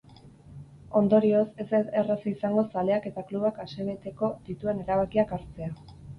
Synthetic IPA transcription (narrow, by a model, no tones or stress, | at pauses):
o̞nd̪o̞ɾio̞se̞seerasiisaŋɡo̞sale̞ake̞t̪akluβ̞akase̞βe̞t̪e̞ko̞d̪it̪ue̞ne̞ɾaβakiakaɾt͡se̞a